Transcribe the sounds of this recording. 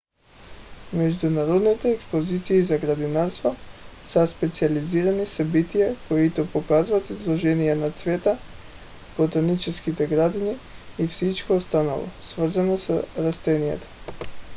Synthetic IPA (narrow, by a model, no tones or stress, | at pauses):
mɛʒd̪unaɾɔd̪nit̪ɛːkspozit̪siːzaɡɾad̪inaɾst̪vasaspɛt̪sializiɾanisabit̪ijakoit̪opokazvat̪izlˠɔʒɛnijanat̪svɛt̪a | bot̪anit͡ʃɛskit̪ɛɡɾad̪iniːfsit͡ʃkoːst̪ana̰lˠɔ̰svr̩zanosɾast̪ɛnijɛ̰t̪o̥